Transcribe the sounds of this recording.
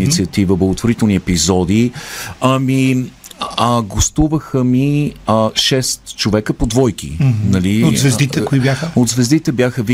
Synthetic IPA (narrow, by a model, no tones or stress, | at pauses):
nit̪siət̪ivəblˠəɡot̪voɾit̪ɛlˠniɛpizɔd̪iɐmi | ɡost̪uvəxəmi | ʃɛst̪t͡ʃovɛkəpod̪vɔjk̟ḭnɐliozvɛzd̪it̪ɛkoibjaxəod̪zvɛzd̪it̪ɛbjaxəvi